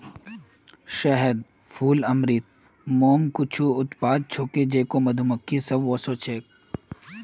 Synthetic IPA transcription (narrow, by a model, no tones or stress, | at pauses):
ʃɐɦəd̪ | fʰuːlɐmɾit̪̚ | moːmkʊt͡ʃʰuʊt̪paːd̪̚t͡ʃʰoːked͡ʒeːkomɐd̪ʱuməkʰːisɐbʋɔːsot͡ʃʰeːk̚